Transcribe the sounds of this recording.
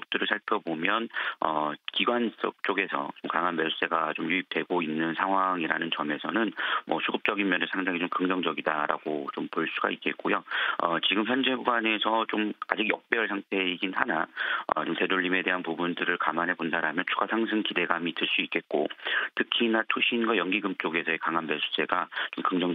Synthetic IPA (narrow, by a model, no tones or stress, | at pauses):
k̚t͈ɯɾɯɭsʰaɭpʰjʌbomjʌnʌkiɡwansʰʌk̚t͡ɕ͈oɡe̞sʰʌ̰t͡ɕomkaŋanmʌɭs͈e̞ɡat͡ɕomjuip̚t͈we̞ɡoinːɯnsʰaŋɦwaŋiɾanɯnt͡ɕʌme̞sʰʌnɯnmʌsʰuɡɯp̚t͡ɕ͈ʌɡinmjʌnesʰaŋdaŋit͡ɕomkɯŋd͡ʑʌŋd͡ʑʌɡidaɾa̰ɡot͡ɕompoɭs͈uɡa̰ik͈e̞t̚k͈ojoʌ̰t͡ɕiɡɯmçjʌnd͡ʑe̞ɡuɡwane̞sʰʌt͡ɕoma̰d͡ʑiɡjʌk̚p͈eʌɭsʰaŋtʰe̞iɡinhanaʌ̰t͡ɕomte̞doʎːime̞de̞ɦanpubundɯɾɯɭkamanɦe̞pondʰaɾɦamjʌnt͡ɕʰuɡasʰaŋsʰɯŋkide̞ɡamitɯɭs͈uik͈e̞t̚k͈o̰tʰɯkʰinatʰuɕʰinɡwajʌŋɡiɡɯmt͡ɕ͈oɡe̞sʰʌekaŋɦanmesʰu̥s͈ʰe̞ɡat͡ɕomkɯŋd͡ʑʌŋ